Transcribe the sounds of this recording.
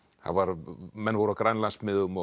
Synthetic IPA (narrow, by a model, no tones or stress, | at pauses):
a̰nvaɾmɛnːvɔːɾawkɾajnlansmɪðʏmɔ